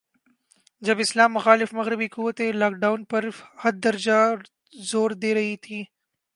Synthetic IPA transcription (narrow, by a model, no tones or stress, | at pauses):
d͡ʒɐbɪslaːmːʊxɑːlɪfmɐɣɾɪbikuwɐt̪elaːk̚ɖawnpəɾhɐd̪̚d̪ɐɾd͡ʒa | zoːɾd̪eːɾɐɦit̪ʰi